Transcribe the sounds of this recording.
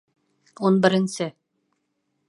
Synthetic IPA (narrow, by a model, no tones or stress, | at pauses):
unbɘ̆ɾɘ̆nsɘ